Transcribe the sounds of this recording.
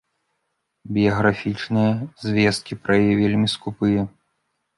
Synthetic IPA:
bʲijɐɣɾafʲit͡ʂnɨjɐzʲvʲɛst̪̚kʲipɾɐjjɛvʲelʲmʲiskupɨjɐ

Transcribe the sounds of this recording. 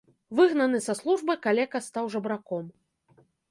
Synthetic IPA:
vɨɣnɐnɨsɐslˠuʐbɨkalʲɛkɐst̪awʐɐbɾakɔm

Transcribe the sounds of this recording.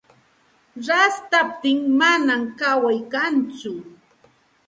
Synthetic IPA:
ɾast̪ap̚t̪ɪŋmanamkawajkant͡sʊ

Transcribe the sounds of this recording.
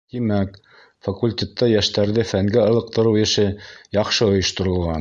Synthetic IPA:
t̪imæk | fakulʲtʲet̪ːɑjæʃt̪æɾðɘfæŋɡɘɤ̆lˠɤ̆q̚t̪ɤ̆ɾɤwjɘ̆ʃɘjɑχʃɤŏjɤ̆ʃt̪ŏɾɤ̆lˠʁɑn

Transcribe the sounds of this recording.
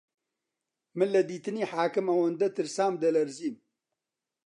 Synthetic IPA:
mɨnlɐd̪iːt̪ɨniːħaːkɨmɐwɐnd̪ɐt̪ɨɾsaːmd̪ɐlɐɾziːn

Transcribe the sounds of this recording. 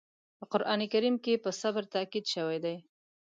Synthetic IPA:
pəqʊɾʔɑnikaɾimkepəsabɾt̪akid̪ʃəwajd̪aj

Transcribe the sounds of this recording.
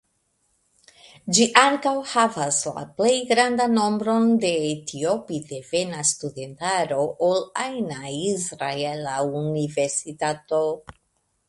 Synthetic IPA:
d͡ʒiʔaŋkawhavasla̰ple̞jɡɾand̪anːo̞mbɾo̞nde̞tʰiopide̞ve̞nastud̪e̞ntaɾo̞ʔolajnaizɾaelaunive̞ɾsitato̞

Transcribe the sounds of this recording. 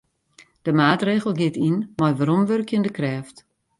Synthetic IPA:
d̥əmaːtreːɣəl̩ˠɡɪtinmajʋaɾɔmʋørkʰjəndəkrɛːft

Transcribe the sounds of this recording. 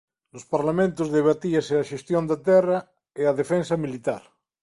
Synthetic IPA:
lospaɾlamẽnt̪ozðeβ̞at̪iaseaʃest̪jond̪at̪ɛra | eaðefẽnsamilit̪aɾ

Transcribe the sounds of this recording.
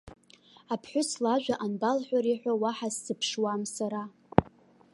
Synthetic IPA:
apʰħʷʊslaʒʷᶣaʔanbalħʷᶣaɾiħʷᶣawaħasːɨpʰʂwamsaɾa

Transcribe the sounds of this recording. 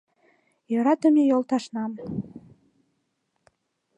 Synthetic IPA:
jøɾɑt̪ə̆mejolt̪ɑʃnɑm

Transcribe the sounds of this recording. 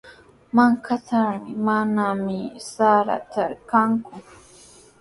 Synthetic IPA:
maŋkataɾmɪmanamɪsaɾa̰t̪aɾkaŋkʊ

